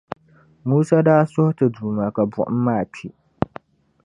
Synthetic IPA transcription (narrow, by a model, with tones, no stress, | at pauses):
muː˦sa˦daː˦sʊ˦htɨ˨duː˨ma˨ka˨bʊ̰˨ʔʊ˦mː˦aː˦˨pʰi˦